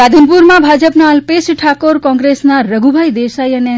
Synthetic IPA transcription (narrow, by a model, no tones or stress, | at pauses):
ɾad̪ʱənpuɾmãbʱad͡ʒəpnaəlpesʈʰakoɾkɔ̃ŋɡɾesnaɾəɡʱubʱajd̪esajəne